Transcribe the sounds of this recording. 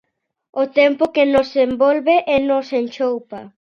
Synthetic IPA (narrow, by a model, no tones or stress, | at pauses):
ʊt̪ɛmpʊkenosembɔlβeʔɛnosent͡ʃowpa